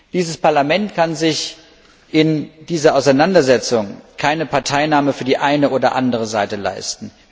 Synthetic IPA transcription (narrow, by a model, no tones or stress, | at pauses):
d̥iːzəspaɐlamɛntkʰanzɪç | ʔɪnd̥iːzɐʔaʊsaɪnandɐzɛt͡sʊŋkʰaɪnəpʰaɐtʰaɪnaːməfyːɐdiːʔaɪnəʔoːdɐ̰ʔa̰ndəʁ̞əzaɪtəla̰ɪstn̩